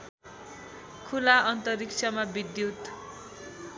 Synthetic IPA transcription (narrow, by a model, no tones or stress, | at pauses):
kʰulaʔʌnt̪ʌrik̚t͡sʰʌmabid̪jut̪